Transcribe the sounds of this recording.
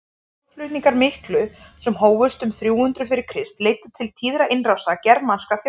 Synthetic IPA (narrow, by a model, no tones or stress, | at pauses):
flʏt̪niŋkaɾmɪhklʏsɛmhoːwvʏst̪ʏmθɾjuːʏnt̪ɾʏfɪɾɪɾ̥kʰɾɪst̪leːjt̪ʏ̥t̪ʰɪlt̪ʰiːðɾaʔɪnrawsacɛɾmanskaθj